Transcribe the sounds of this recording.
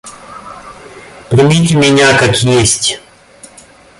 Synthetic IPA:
pɾʲɪmʲit̬ʲɪmʲɪnʲakakjesʲtʲ

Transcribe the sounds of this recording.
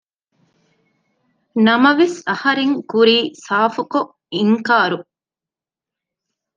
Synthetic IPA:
nɐmɐʋesɐhɐɾeŋkuɾiːsaːfuko | iŋkaːɾu

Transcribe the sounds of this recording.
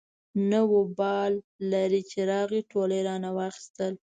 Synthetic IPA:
nəwobɑlːaɾit͡ʃeɾɑɣiʈʰoləjɾɑnawɑxi̥st̪əl

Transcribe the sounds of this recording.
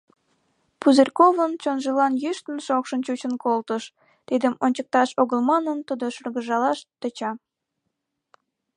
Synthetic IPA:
puzerkovənt͡ɕonʒəlɑnjyʃt̪əmeʃokʃənt͡ɕut͡ɕənkolt̪əʃ | t̪id̪əmonʲt͡ɕək̚t̪ɑʃoɣəlmɑnənt̪ud̪oʃərɣəʒɑlɑʃt̪ət͡ɕɑ

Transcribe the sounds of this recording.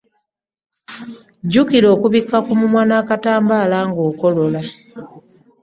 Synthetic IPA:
ɟukiɾo̞ːkuβikːakumumwaːnaːkataːmbaːlaːŋɡo̞ːko̞lola

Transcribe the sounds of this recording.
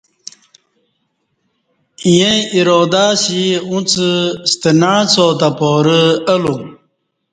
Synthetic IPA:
jẽiɾoːd̪asiũt͡səst̪ənaːt͡sot̪apoːɾəəlu

